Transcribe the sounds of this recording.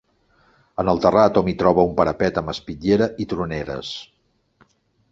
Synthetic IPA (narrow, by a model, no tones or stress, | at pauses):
ənəlˠt̪ərat̪ɔmit̪ɾɔβ̞əumpəɾəpɛt̪əməspiʎeɾəʔit̪ɾuneɾə̰s